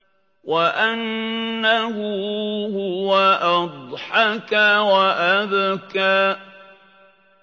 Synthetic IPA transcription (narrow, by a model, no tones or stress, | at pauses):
wʔaʔanːahʊhʊwaʔɑd̪ˤħɑkawaʔaðkaː